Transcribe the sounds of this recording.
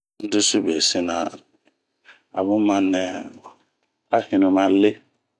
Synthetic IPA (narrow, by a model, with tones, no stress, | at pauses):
n̩˦du˦su˦be˨si˦na˨ | a̰˨βũ˦ma˦nɛ˨ | a˦hi˨nu˨ma˨le˦